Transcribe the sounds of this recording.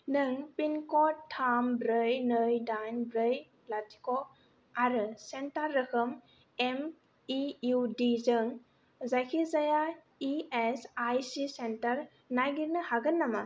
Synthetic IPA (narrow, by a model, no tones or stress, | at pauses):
nɯŋpinkɔtʰːambɾɯjnɯjdajnbɾɯjplatʰi̥kɔ | aɾɯsentaɾːɯkʰɯm | em | iudizɯŋ | zajkʰizaja | iesajsisentaɾ | najɡiɾnɯhaɡɯnːama